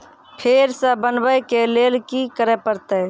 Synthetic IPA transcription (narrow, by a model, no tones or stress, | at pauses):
pʰeɾsə̃bənbəjkelelkikəɾɛpəɾt̪ə